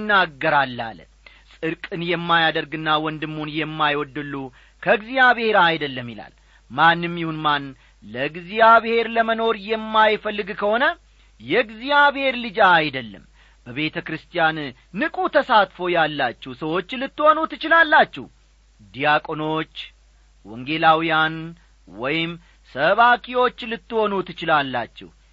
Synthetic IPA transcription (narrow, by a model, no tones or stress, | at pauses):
nːaɡːəɾalːa̰l | sʼɨɾkʼɨnjɛmːajad̪əɾɡɨnːawɔnd̪ɨmːunjɛmːajwɔd̪ːɨlːu | kʰəɡzijaβhe̞ɾajd̪əlːəmːjɪla̰l | manːɨmːjihunman | ləɡzijaβhe̞ɾləməno̞ɾjɛmːajfəlːɨɡkʰəho̞nə | jɛɡzijaβhe̞ɾlɨd͡ʒaːjd̪əlːə̰m | bəβe̞t̪ʰəkɾɨst̪ʰʼjanː | ɨkʼut̪ʰəsat̪fo̞jalːat͡ʃːɛhusəwo̞t͡ʃːlɨt̪ːɨho̞nut̪ɨt͡ʃɪlalːat͡ʃːɛ̰h | d̪ijakʼo̞no̞t͡ʃː | wɔŋɡe̞lawijan | wɔ̰jɪm | səβakʰiwo̞t͡ʃːlɨt̪ːɨho̞nut̪ɨt͡ʃɪlalːa̰t͡ʃːɛ̰h